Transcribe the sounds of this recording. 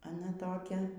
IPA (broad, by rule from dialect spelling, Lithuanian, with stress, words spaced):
ɐˈnɐ ˈtoːkʲɛ